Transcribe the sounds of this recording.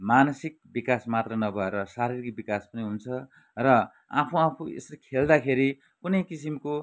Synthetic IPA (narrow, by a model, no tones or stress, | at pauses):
manʌsik̚bikasmat̪rʌnʌbʱʌeɾʌsaɾirikbikaspʌniɦunt͡sʰʌ | rʌ | a̰pʰuapʰuḛsrekʰeld̪akʰeɾi | kunʌjkisimko